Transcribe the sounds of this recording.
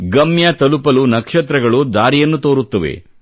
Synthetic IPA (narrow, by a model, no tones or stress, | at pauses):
ɡɐmjɐt̪ɐlupɐlunɐkʂɐt̪ɾɐɡɐɭud̪aːɾijɐnːut̪oːɾut̪ːɐʋḛ